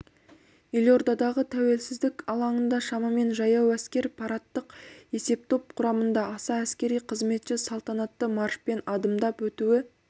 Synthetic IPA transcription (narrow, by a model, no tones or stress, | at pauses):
ilʲjo̞ɾd̪ɑd̪ɑʁət̪ʰæwe̞lsɪzd̪ɪkʲɑlˠɑɴənd̪ɑʃɑmɑme̞nʒɑjɑwæskʲe̞ɾpʰɑɾɑt̪ːəqe̞se̞p̚t̪ʰo̞p̚qʰʊɾɑmənd̪ɑːsɑæskʲe̞ɾijqʰəzme̞t̪ʃɪsɑlˠt̪ɑnɑt̪ːəmɑrʃpe̞nɑd̪əmd̪ɑpwɵt̪uwɪ